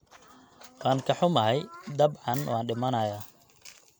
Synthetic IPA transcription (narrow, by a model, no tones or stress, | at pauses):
wɑːŋkʰɐħʊmɐɦɛjd̪ɐbʕɑnwɑːnɖɪmɐnɐjaː